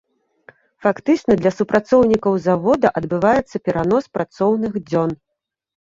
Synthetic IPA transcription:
fakt̪ɨt͡ʂnɐd̪lʲɐsupɾat̪sɔwnʲikɐwzavɔd̪ɐʔɐd̪bɨvajɛt̪sːɐpʲɛɾanɔspɾat̪sɔwnɨxd͡zʲɔn

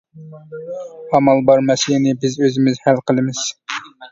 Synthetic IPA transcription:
ɑmɑlˠbɑɾmɛsjinɪbɪzøzɪmɪzhælqəlˠɨmɪz̥

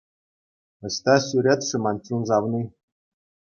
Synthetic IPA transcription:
ɘ̆sʲt̪ɑsʲyɾʲet̪ʂɘ̆mɑnʲt͡ɕunzɑʋnʲi

